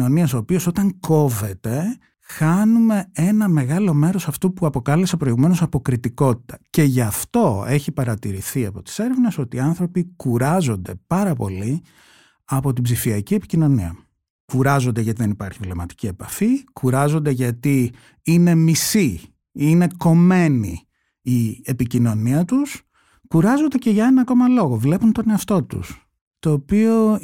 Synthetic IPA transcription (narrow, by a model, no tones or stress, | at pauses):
no̞niɐso̞ːpio̞so̞t̪ɐŋko̞ve̞t̪e̞ | xɐnume̞e̞nɐme̞ɣɐlo̞me̞ɾo̞sɐft̪opuɐpo̞kɐlesepɾo̞iɣume̞no̞sɐpo̞kɾit̪iko̞t̪i̥t̪ɐce̞ʝɐft̪o̞e̞çipɐɾɐt̪iɾiθiɐ̰po̞t̪i̥se̞ɾevneso̞t̪iːɐnθɾo̞pikuɾɐzo̞nd̪e̞pɐɾɐpo̞̰li | ɐpo̞t̪ibzifiɐcie̞pi̥cino̞niɐ̰ | kuɾɐzo̞nd̪eʝɐt̪iðenipɐɾçivle̞mɐt̪i̥cie̞pɐfikuɾɐzo̞nd̪e̞ʝɐt̪i | ine̞misi | ine̞ko̞me̞ni | iepicino̞niɐt̪us | kuɾɐzo̞nd̪e̞ce̞ʝɐe̞nɐko̞mɐlo̞ɣo̞vle̞punt̪o̞neɐft̪o̞t̪ṵs | t̪o̞ːpio̞